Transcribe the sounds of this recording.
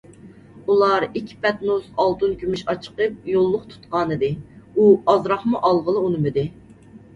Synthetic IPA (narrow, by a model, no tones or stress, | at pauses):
ulˠɑɾikʲʰːi̥pɛt̪nusɑlˠt̪ɨnkʲʰymyʃɑt͡ʃʰə̥qəp̚jolˠːʊqt̪ʰu̥t̪qɑːnɨd̪ɨuɑzɾɑχmuʔɑlˠʁəlˠɨunɨmɨd̪ɪ